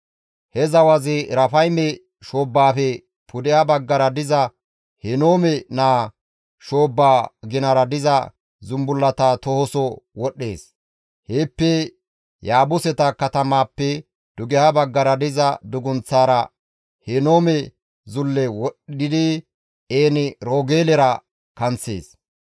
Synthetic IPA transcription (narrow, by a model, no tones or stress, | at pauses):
hɛzɐwɐzɪɾɐfɐjmɛ | ʃo̞ːbːaːfɛ | pʰʊd̪ɛhɐbɐɡːɐɾɐd̪ɪzɐ | hɛno̞ːmɛnaː | ʃo̞ːbːaːɡɪnɐɾɐd̪ɪzɐ | zʊmbʊlːɐt̪at̪ɔhɔsɔwɔɗːe̞ːs | heːpːɛ | jaːbʊsɛt̪ɐkɐt̪ɐmaːpːɛ | d̪̥ʊɡɛhabɐɡːɐɾɐd̪ɪzɐd̪ʊɡʊnt͡sːaːɾɐ | hɛno̞ːmɛ | zʊlːɛwɔɗdɪd̪ɪ | eːnɪɾoːɡeːlɛɾɐ | kɐnt͡sːe̞̰ːs